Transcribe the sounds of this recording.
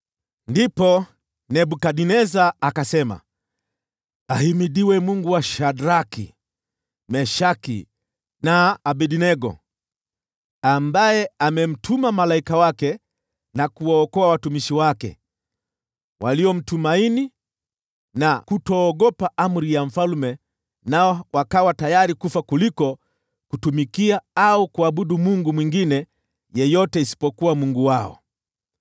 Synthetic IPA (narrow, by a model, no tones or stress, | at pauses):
ndipɔ | nɛbukaɗinɛzaːkasɛma̰ | ahimiɗiwɛmuŋɡuwaʃadɾakḭ | mɛʃakḭ | naːbɛɗinɛɡɔ̰ | ambajɛamɛm̩tʰumamalaikawakɛ | nakuwaɔkɔawatumiʃiwakɛ̰ | wʔaliɔm̩tumaini | nakutɔːɡɔpaʔam̩ɾijaɱ̩falumɛ | naɔwakawatajaɾikufakulikɔ | kutumikiaaukuaɓuɗumuŋɡumwiŋɡinɛ | jɛjɔtɛisi̥pɔkuwamuŋɡuwaɔ̰